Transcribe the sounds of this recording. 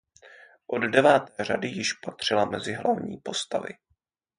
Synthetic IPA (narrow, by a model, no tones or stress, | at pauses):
ʔoddɛvaːt̪ɛːr̝adɪjɪʃpat̪r̝̥ɪlamɛzɪɦlavɲḭːpo̞st̪avɪ̰